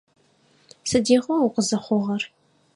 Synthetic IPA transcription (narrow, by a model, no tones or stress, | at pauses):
sɨdiːʁɐuqʷəzɐχʷʊʁɐr